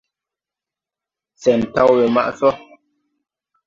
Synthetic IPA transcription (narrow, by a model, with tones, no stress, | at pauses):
sɛ˨n˨ta˦˨wwe˨ma̰˦ʔsɔ˦